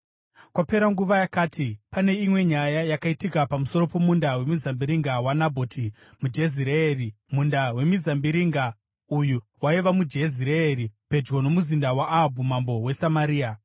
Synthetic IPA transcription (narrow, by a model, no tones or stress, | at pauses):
kwape̞ɾaŋɡuʋajakaːtʰipane̞imwe̞ɲajajakaitikapamuso̞ɾo̞po̞mundawe̞mizambiɾiŋɡawanabʱo̞ːti | mud͡ʒe̞ziɾeerimundawe̞mizambiɾiŋɡa | ujuwaiʋamud͡ʒe̞ziɾeeɾipe̞d͡ʒɡo̞no̞muzindawaʔːɦbʱumambo̞we̞samaɾiːa